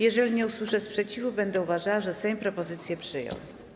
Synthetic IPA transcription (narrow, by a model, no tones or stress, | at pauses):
jɛʐɛlʲiɲɛuswɘʂɛspʂɛt͡ɕivubɛnd̪ɛuvaʐawaʐɛsɛɲpɾɔpɔzɘt̪sʲjɛpʂɘjɔ̰̃w